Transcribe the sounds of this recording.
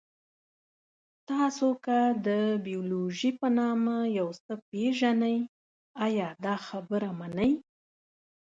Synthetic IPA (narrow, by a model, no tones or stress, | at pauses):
t̪ɑsokad̪əbijoloʒipənɑmajawsəpeʒanaj | ajɑd̪ɑxabəɾamanəj